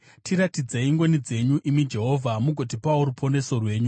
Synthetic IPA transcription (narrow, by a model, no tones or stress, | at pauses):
tʰiɾatid͡zeiŋɡo̞nid͡ze̞ɲuʔimid͡ʒe̞ɦo̞vʱamuɡʱot̬ipauɾupʰo̞ne̞so̞rwe̞ːɲu